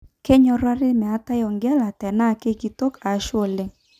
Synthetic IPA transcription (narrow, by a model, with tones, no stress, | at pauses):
ke˦ɲɔ˦ɾa˦ɾɪ˦mɛ˨a˨˦ta˦jɔ˨ŋɡɛ˦la˨tɛ˨na˦˨ke˦ki˨to˦ka˨˦ʃwo˦˨lɪ˦ŋ